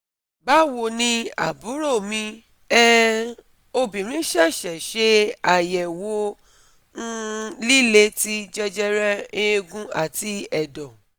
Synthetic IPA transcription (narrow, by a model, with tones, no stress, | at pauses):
ba˦wo˧nĩ˧a̰˨bu˨˦ɾo˦˨mĩ˧ | ɛ˦ | o˧bĩ˨ɾ̃ĩ˨˦ʃɛ˦˨ʃɛ˨ʃe˦a˨jɛ˨wo˨˦ | n̩˦li˦le˧ti˦d͡ʒɛ˦d͡ʒɛ˦ɾɛ˦ĩ˦e˧ɡũ˧a̰˦˨ti˧˦ɛ˨dɔ˨